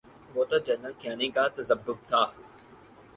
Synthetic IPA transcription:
ʋoːt̪ad͡ʒəːnəlkʰɪjaːnikat̪ɐzəbːʊk̚t̪ʰaː

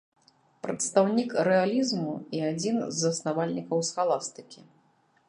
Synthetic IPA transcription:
pɾɐ̰t̪st̪awnʲikɾɛalʲizmuiad͡zʲinzɐsnavalʲnʲikɐwsxalˠast̪ɨ̥kʲi

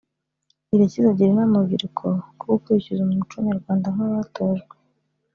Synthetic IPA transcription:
iɾecizoɟiɾinamuviɾukʰokuukuɾicizumumut͡ʃuɲaɾɡwaːndaŋ̥aβatoːʒɡwwe

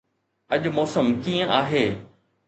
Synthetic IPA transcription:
ɐʄʊmɔːsəmkiːə̃ʔaːɦeː

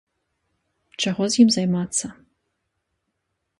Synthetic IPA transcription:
t͡ʃaʁɔzjimzajmat̪sːɐ

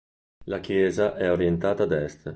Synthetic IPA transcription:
lakjɛːzaʔɛoɾjent̪aːt̪aːd̪ɛst̪

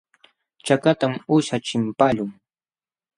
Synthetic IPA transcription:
t͡ʃakat̪amʊʃat͡ʃɪmpaʎʊŋ

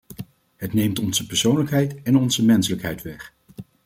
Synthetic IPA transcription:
ɦətnejmtɔnzəpɛɹsownləkɦɛjtɛnɔnzəmɛnsələkɦɛjtʋɛχ

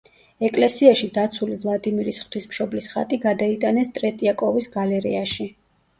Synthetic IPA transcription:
ɛkʼlɛsiaʃid̪at̪sʰulivlˠad̪imiɾisχt̪ʰwismʃɔblisχa̰t̪ʼiɡad̪ait̪ʼanɛst̪ʼɾɛt̪ʼiakʼɔvisɡalɛɾḭaʃi

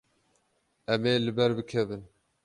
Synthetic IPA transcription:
ɛmeːlɨbɛɾbɨkʰɛvɨn

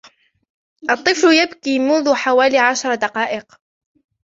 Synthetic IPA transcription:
ʔɑt̪ˤːɨfljabkiːmʊnðʊħawaːliːʕaʃɑɾˤɑd̪ɑqɑːʔɪq

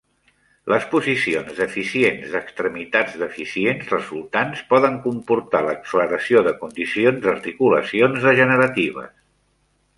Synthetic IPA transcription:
lʔəspuzisionzðəfisienzəkst̪ɾəmit̪ad͡zd̪əfisienzrəzulˠt̪anspɔðəŋkumpuɾt̪aləksfləɾəsioðəkund̪isionzəɾt̪ikulə̰sionzðəʒənəɾət̪iβ̞ə̰s

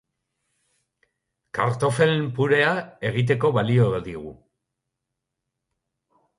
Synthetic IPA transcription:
kaɾt̪o̞fe̞lmpuɾe̞ae̞ɣ̞it̪̬e̞ko̞βalio̞d̪iɣ̞ṵ

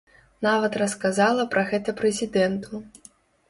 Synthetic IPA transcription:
navɐt̪rɐskazalˠɐpɾʔɐɣɛt̪ɐpɾɛzʲid̪ɛnt̪ʰu

